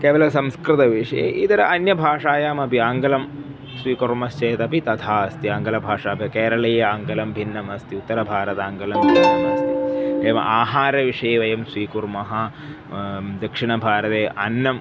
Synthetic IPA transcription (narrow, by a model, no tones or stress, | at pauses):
keːʋɐlɐsɐmskɾɪt̪ɐʋiʂɐjḛʔid̪ɐɾɐʔɐnjɐbʱaːʂaːjaːmɐpiaːŋɡɐlɐm | sʋiːkuɾmɐst͡ʃeːt̪ɐpit̪ɐt̪ʰaːɐst̪iaːŋɡɐlɐbʱaːʂaːbʱɐkeːɾɐɭɐjɐaːŋɡɐlɐmbʱinːɐmɐst̪iut̪ːɐɾɐbʱaːɾɐt̪aːŋɡɐlɐmbʱinːɐmɐst̪ieːʋɐ̰ʔaːɦaːɾɐʋiʂɐjeʋɐjɐmsʋiːkuɾmɐɦaː | d̪ɐkʂiɳɐbʱaːɾɐt̪eːʔɐnːɐm